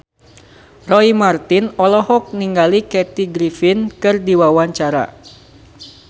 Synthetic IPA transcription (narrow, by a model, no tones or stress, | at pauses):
rɔimart̪inɔlɔɦɔk̚niŋɡalikɛt̪iɡɾifɪnkɨrdiwawaɲt͡ʃaɾa̰